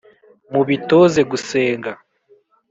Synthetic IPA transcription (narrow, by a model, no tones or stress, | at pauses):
muβitoze̞ɡuseːŋɡa